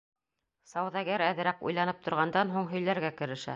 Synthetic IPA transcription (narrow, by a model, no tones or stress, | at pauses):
sɑwðɑɡæɾæðɘ̆ɾækṵjlˠɑnɤp̚t̪ʰŏɾʁɑnd̪ɑnɦuɴɦɵ̆jlæɾɡækɘ̆ɾɘ̆ʃæ̰